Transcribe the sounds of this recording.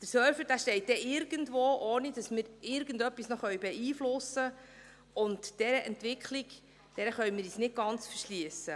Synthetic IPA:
d̥əɾsœɾfəɾd̥æːʃtɛɪt̚d̥ɛʔɪɾɡəndʋoːʔoːnid̥ɑsmɪɾɪɾɡəndœpːisnɔχœʏbɛiːflʊsə | ʊntd̥ɛɾəʔɛntʋɪkχlik | d̥ɛɾəχœʏmɪːɾiːsnɪt̚ɡ̥ɑnt͡sfəɾʃliəsə

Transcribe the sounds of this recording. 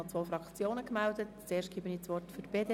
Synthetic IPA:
ɑt͡sʋoːfɾɑkt͡sjoːnəkmældətt͡seːɾʃtɡ̥iːbəniːt͡sʋɔrtfyɾb̥eːde

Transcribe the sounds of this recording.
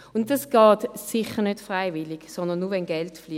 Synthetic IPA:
ʊntdɑsɡ̥ɑːtsɪχənødfʁaɪvɪliɡ̥sɔndənːuʋɛnɡɛltfli

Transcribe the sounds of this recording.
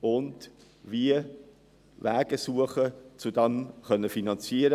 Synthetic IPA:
ʊnd | viə | væːɡ̥əsuːəχət͡sudɑnχœnːəfinɑnt͡siːəɾə

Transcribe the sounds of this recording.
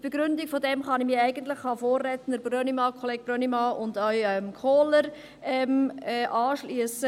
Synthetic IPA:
b̥eɡ̥ɾʏndikfodɛmχɑnimiæɪɡ̥ənt̪ləχɑfoːrːɛt̪ənəɾbrønimɑːkʰɔleːɡ̥̚bɾœnimɑːʔʊndœʏɛmkʰoːləɾ | ɛmɛːʔɑːʃliəsə

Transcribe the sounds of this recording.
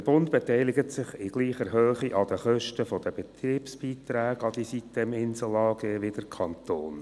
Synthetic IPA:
əb̥ʊnt̪b̥etɛɪlɪɡət̪sɪχɪɡ̥liːχəɾhøːχiʔɑd̥̪əχœʃtəfɔd̥̪əbɛt̪riːpsb̥iːt̪ræːɡɑd̪isit̪dɛmɪnsəl̩ɑːɡeːʋɪd̥əɾkʰɑnt̪oːn

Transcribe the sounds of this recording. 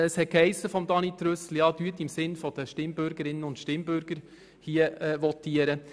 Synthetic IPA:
əshɛt̚khɛɪsːəfɔmd̪ɑnit̪ɾøsl̩jɑːd̥yətːɪmsɪnfɔd̥̪əʃtɪmbøɾɡ̥əɾɪnənʊntʃtɪmbøɾɡ̥əɾ | hiəʋɔtiəɾə

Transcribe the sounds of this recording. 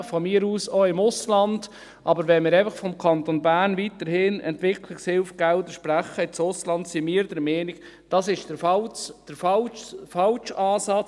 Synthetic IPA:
fɔmɪːɾuːsoɪmʊslɑnd̥ | ʔɑbəɾʋɛnmɪːɾaɪfəχfɔmkʰɑnt̪onbæːɾnviːt̪əɾhɪnɛ̰ntvɪkʰlɪkshɪlfɡ̥ɛldəʃpɾæχəɪt͡sʊslɑntsimiːəɾdəɾmɛːnɪɡ | d̥ɑsɪʃd̥əfɑld̥əɾfɑlfɑlʃɑːsɑ

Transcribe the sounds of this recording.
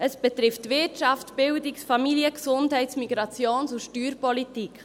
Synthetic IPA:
əsb̥ɛt̪ɾɪftːʋɪtt͡ʃɑftb̥ɪwdiksfɑmiliəksʊndhɛɪtsmiɡɾɑt͡sjoːnsuʃtyːɾpɔlitik

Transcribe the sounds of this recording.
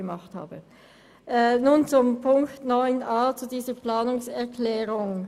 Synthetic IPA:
əmɑχtha̰ːbə | ʔɛnuːnt͡sʊmpʰʊŋktnɔʏnʔaːt͡sudiːzəplaːnʊŋsɛɐkʰlɛːʁʊŋ

